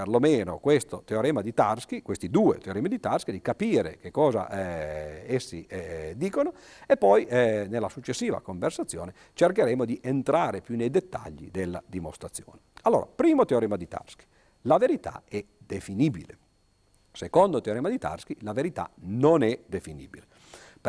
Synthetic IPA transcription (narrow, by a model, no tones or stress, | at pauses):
perlomeːno̰kwest̪ot̪eoɾɛːmad̪it̪arskikwest̪id̪uːḛt̪eoɾɛmad̪it̪arskid̪ikapiːɾḛkekːɔːza̰ʔɛesːḭɛd̪iːkono | epːɔjnelːasut͡ʃːesːiːva̰koɱversat̪sːjo̰ːne | t͡ʃerkeɾɛmod̪iʔent̪ɾaːɾepjunejd̪et̪ːa̰ʎːḭd̪elːa̰d̪imost̪ɾat̪sːjo̰ːnealːoːɾa̰pɾiːmot̪eoɾɛːmad̪it̪a̰rski̥ | laveɾit̪a̰ɛd̪efinibḭlḛ | sekond̪ot̪eoɾɛːmad̪it̪a̰rskilaveɾit̪a̰nonɛd̪efinḭːbile